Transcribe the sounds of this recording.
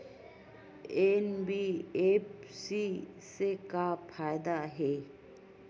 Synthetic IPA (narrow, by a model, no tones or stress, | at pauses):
enbiepsisekapʰajd̪aɦɛ